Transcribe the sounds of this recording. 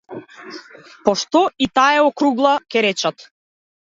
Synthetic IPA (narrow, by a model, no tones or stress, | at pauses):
pɔʃt̪ɔit̪aɛɔkɾuɡlˠakʲɛɾɛt͡ʃat̪